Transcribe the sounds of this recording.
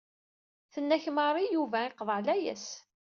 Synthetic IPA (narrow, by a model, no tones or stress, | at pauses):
θənːæçməɾˤijuvæɪqðˤəʕlæjæ̰s